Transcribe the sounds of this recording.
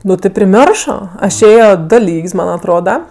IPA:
ˈnʊ tʲɪ pʲrʲɪˈmʲoːrʃoː ˈɐʃ ˈeːjoː ˈdoː ˈlʲiːkʲsʲ ˈmɐn ɐtˈroːdɐ

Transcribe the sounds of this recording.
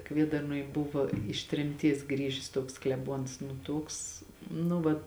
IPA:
ˈkʋʲiɛdɐrnuɔj ˈbʊʋɐ ɪʃ tʲrʲɛmʲˈtʲiɛs ˈɡrʲiːʒʲɪs ˈtuɔks klʲɛˈbuɔns nʊ ˈtuɔks nʊ ˈʋɐ

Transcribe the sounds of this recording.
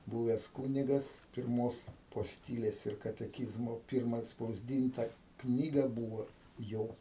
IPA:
ˈbuːʋʲɛs ˈkuːnʲɪɡɐs pʲɪrˈmoːs poːsʲˈtʲiːlʲeːs ɪr kɐtʲɛˈkʲiːzmoː ˈpʲɪrmɐ ɐtspɐʊzʲˈdʲiːntɐ ˈknʲiːɡɐ ˈbuːʋoː ˈjoː

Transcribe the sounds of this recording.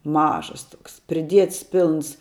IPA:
ˈmɑːʒɐs ˈtoːks pʲrʲɪˈdʲiɛts ˈpʲɪlˠns

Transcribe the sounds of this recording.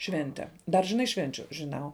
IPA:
ˈʃʲʋʲɛnʲtʲɛ dɐr ʒʲɪˈnɐɪ ˈʃʲʋʲɛnʲt͡ʃʲʊ ʒʲɪˈnɐʊ

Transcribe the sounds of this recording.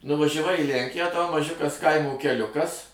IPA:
nʊʋɐʒʲæˈʋɐɪ iː ˈlʲæŋʲkʲɪjæː tɐʊ mɐˈʒʲʊkɐs ˈkɐɪmoː kʲɛˈlʲʊkɐs

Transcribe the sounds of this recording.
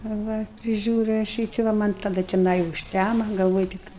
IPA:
ɐ ˈʋɐ pʲrʲɪˈʒʲuːrʲʊ ɐʃ ˈjiː tʲɪ ˈʋɐ ˈmɐnʲ tɐˈdɐ tʲɛˈnɐɪ ʊʃʲˈtʲæmɐ ɡɐlˠˈʋoːj tʲɪk

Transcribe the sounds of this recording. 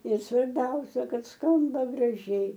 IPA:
ɪr sʋɐrʲˈbʲɛʊsʲɛ ˈkɐt ˈskɐmbɐ ɡrɐˈʒʲɛɪ

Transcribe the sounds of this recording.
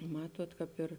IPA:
ˈmɑːtuɔt kɑːp ˈɪr

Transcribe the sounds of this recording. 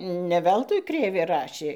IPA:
nʲɛ ˈʋʲɛlˠtʊɪ ˈkrʲeːʋʲeː ˈrɑːʃʲeː

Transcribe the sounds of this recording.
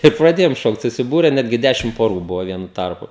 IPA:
ɪr prɐˈdʲeːjoːm ˈʃoːkt sʊsʲɪˈbuːrʲɛ ˈnʲæːdʲɡʲɪ ˈdʲæːʃʲɪm poːˈruː ˈbʊʋoː ˈʋʲiɛnʊ ˈtɐrpʊ

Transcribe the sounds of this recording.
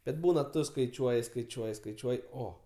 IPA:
bʲɛt ˈbuːnɐ ˈtʊ skɐɪˈt͡ʃʲuɔjɪ skɐɪˈt͡ʃʲuɔjɪ skɐɪˈt͡ʃʲuɔjɪ ˈoː

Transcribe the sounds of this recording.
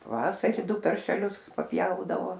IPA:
pɐˈʋɑːsɐrʲɪ ˈdʊ pɐrʲʃʲɛˈlʲʊs pɐˈpʲjɛʊdɐʋoː

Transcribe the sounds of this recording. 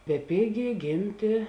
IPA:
bʲɛˈpʲeːɡʲeː ˈɡʲeːmʲtʲeː

